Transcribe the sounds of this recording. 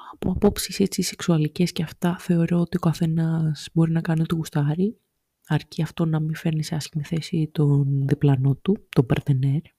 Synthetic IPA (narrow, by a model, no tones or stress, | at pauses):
ɐpo̰ɐpo̞psiset͡sise̞ksuɐlice̞sceɐft̪ɐθe̞o̞ɾo̞ot̪io̞kɐθe̞nɐsbo̞ɾinɐkɐniot̪oɣust̪ɐɾi | ɐɾciɐft̪o̞nɐmife̞ɾniseɐsçimiθe̞sit̪o̞nðiplɐno̞t̪ut̪o̞bɐɾt̪ene̞ɾ